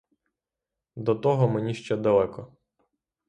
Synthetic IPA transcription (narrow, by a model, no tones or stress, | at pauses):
d̪ɔt̪ɔɦɔmenʲiʃt͡ʃɛd̪ɐlˠɛkɔ